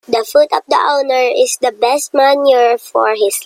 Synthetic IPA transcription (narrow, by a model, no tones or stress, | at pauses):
d̪ɐfut̪ɔfd̪ɐ̰ʔownɛɹɪsd̪ɐbɛst̪̚manjɛɹfɔ̰ɹhɪs